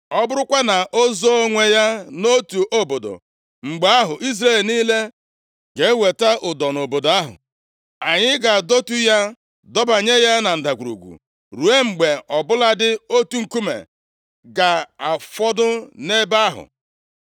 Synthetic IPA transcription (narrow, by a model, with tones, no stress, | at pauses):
ɔ˦bʊ˦ɾʊ˦kʷa˦na˨ʔo˦zo˦o˦ŋʷe˨ja˦no˦tu˨ʔo˦bo˨do̰˨ | ŋ͡m̩˨ɡ͡be˨˦a˦ɦʊ˨ʔi˦zɾe˦˨lniː˦le˦ | ɡe˨˦we˨ta˦ʔʊ˨dɔ˨no˨bo˨da˦ɦʊ̰˨ | a˨ɲɪ˦ɡa˨do˦tu˦ja˦ | dɔ˦ba˨ɲe˦ja˦na˨n̩˨da˨ɡʷu˨ɾṵ˨ɡʷṵ˨ | ɾu˨e˦ŋ͡m̩˨ɡ͡be˨ɔ˨bʊ˦la˦dɪ˦o˦tu˦ŋ̩˨ku˦mḛ˨ | ɡa˨a˨fɔ˦dʊ˦ne˦ba˦a˦ɦʊ̰˨